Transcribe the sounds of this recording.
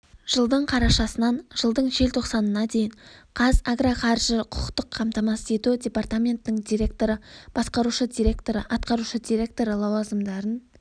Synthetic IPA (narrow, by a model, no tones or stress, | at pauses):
ʒ̥əlˠd̪əɴqʰɑɾɑʃɑsənɑnʒəlˠd̪əɴʒe̞lt̪ʰoqsɑnənɑd̪e̞jɪɴqʰɑzaɡɾaqʰɑrʒəqʰʊqəqt̪əqʰːɑmt̪ɑmɑse̞t̪udʲe̞part̪amʲe̞nt̪ːɪŋd̪ʲiɾekt̪o̞ɾəb̥ɑsqɑɾuʃəd̪ʲijɾe̞kt̪oɾəʔɑt̪qɑɾuʃəd̪ʲiɾʲe̞k̚t̪o̞ɾəlˠɑwɑzəmd̪ɑɾən